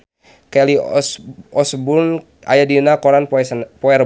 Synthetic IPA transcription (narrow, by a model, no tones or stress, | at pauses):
kɛli | ɔsbun | a̰jadinakɔɾanpɔɛr